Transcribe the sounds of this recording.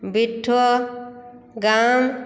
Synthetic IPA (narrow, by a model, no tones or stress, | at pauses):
biʈʰːo | ɡaːm